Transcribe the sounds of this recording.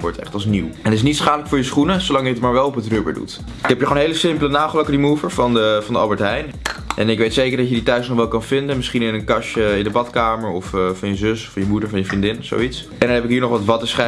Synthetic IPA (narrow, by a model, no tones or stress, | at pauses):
ʋɔ̰ɹtɛ̰χtɑlˠsniwɛnətɪs̬nitsχaːdələkfʊːɹjəsχunəsowlɑŋjəətmaːɹʋɛlˠɔpətrøːbə̰ɹdṵt | ɪkɦɛpjəχonɦejləsɪmplənaːχəløkədimuvəɹfɑnəfɑndəɑlˠbəɹtɦɛjn | ʔɛnɪkʋejtsejkəɹdɑcəditœɥsnɔχʋɛlˠkɑnvɪndənmɪsχinɪnənkɑʃəɪndəbɑtkaːməɹɔffɑnjəzøsɔfjəmudəɹvɑnjəvrindɪnso̰wits | ɛndɑnɦɛpɪkɦiːɹnɔχʋɑtʋɑtəsχɛ